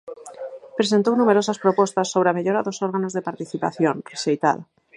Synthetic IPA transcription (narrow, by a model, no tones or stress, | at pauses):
pɾesent̪ownumeɾosaspɾopost̪asːoβɾeameʎoɾaðosoɾɣanozðepaɾt̪iθipaθjonreʃejt̪a̰ða